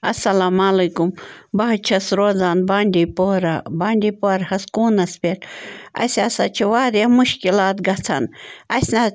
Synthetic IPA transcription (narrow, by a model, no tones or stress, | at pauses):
ɐsɐlaːmalɐkumbɐɦt͡ʃʰɐsɾoːzaːnbaːɳʲɖʲiːpoːɾabaːɳɖʲipoːɾhɐskuːnɐspʲeɾɐ̰sʲasat͡ʃʰiʋaːɾjamuʃkilaːt̪ɡɐt͡sʰɐ̰nɐsʲna